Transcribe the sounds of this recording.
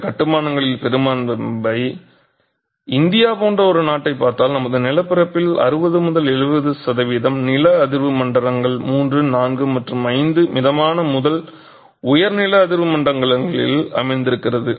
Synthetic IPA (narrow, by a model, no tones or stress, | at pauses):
kɐʈːɯmaːnɐŋɡɐɭɪlpɛɾɯmaːnbɐɪ | ɪnd̪ɪjaːpoːndrɐɔɾɯnaːʈːɐɪpːaːɾt̪aːlnɐmɐðɯnɪlɐpːɪɾɐpːɪlɐ̰ɾɯbɐðɯmʊðɐlɛɻɯʋɐðɯsɐðɐʋiːðɐmnɪlɐɐðɪɾʋɯmɐɳɖɐɾɐŋɡɐɭmuːndrɯnaːnɡɯmɐʈrɯmɐɪnd̪ɯmɪðɐmaːnɐmʊðɐl | ʊjɐɾnɪlɐːðɪɾʋɯmɐɳɖrɐŋɡɐɭɐŋɡɐɭɪ̰lɐ̰mɐɪnd̪ɪɾɯkːɪrɐðɯ